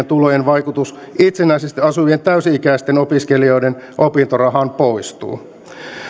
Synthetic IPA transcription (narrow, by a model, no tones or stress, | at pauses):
ent̪ulojenʋɑjkut̪us | it̪senæisest̪iɑsuʋient̪æysiikæist̪enopiskelio̞jden | ʔopint̪orɑɦɑnpo̞jst̪ṵː